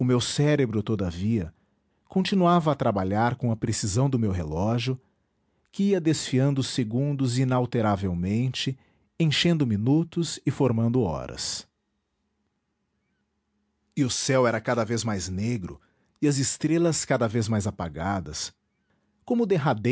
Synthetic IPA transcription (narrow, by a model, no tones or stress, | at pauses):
ʊmewsɛɾebɾʊt̪od̪ɐviɐ | kõnt͡ʃinuavɐːt̪ɾabaʎaɾkõɐpɾesizɐ̃w̃d̪ʊmewɦelɔʒjʊ | kɪiɐd̪esfiɐ̃nd̪ʊseɡũd̪ʊzinawt̪eɾavewmẽnt͡ʃɪ | ẽʃẽnd̪ʊminut̪ʊzɪfoɾmɐ̃nd̪ʊɔ̰ɾɐ̰s | ɪʊsɛwɛɾɐkad̪ɐvezmajzneɡɾʊ̰ | ɪɐzɪst̪ɾelɐskad̪ɐvezmajzapaɡad̪ɐ̰s | kõmʊd̪eɦad̪e